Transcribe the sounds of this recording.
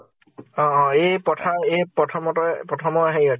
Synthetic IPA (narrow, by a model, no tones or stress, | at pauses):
ɔ̃ɔ̃epɔtʰaepɔtʰɔmɔtɔpɹɔtʰɔmɔaɦejɔ